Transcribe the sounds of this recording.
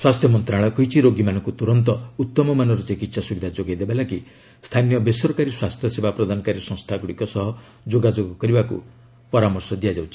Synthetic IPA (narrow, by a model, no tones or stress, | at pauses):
swast̪ʰjɔmɔnt̪ɾaɭ̃ɔkɔɦit͡ʃʰiɾoɡimanɔŋkut̪uɾɔnt̪ɔut̪ːɔmɔmanɔɾɔt͡ʃekit̪sasubid̪ʱad͡ʒoɡajd̪ebalaki | st̪ʰanijɔbesɔɾkaɾiswast̪ʰjɔsebapɾɔd̪ʱanɔkaɾisɔ̃ŋst̪ʰaɡɔɽikɔsɔɦɔ | d͡ʒoɡad͡ʒoɡkɔɾibakṵ | pɔɾamɔɾsɔd̪ijad͡ʒawt͡ʃʰi̥